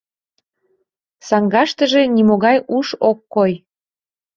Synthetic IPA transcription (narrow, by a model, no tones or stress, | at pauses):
sɑŋɡɑʃt̪əʒe̽nimoɣɑjuʃokːoj